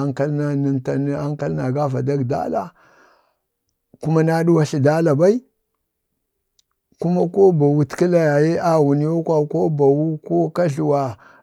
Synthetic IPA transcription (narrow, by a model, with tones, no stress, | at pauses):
ŋka˦lna˦ni˨nta˨n˦a˦ŋka˦lna˨ɡa˦va˨da˦ɡda̰˦la̰˦ | ku˦ma˦na˦ɗu˦wa˦ɬi˨da˦la˨ba˦i˦ | ku˦ma˦ko˦ba˨wu˦tki˦la˨ja˨je˦ʔa˦wu˨ni˦jo˦kʷa˦ko˦ba˨wu˦ko˦ka˦ɮu˨wa˨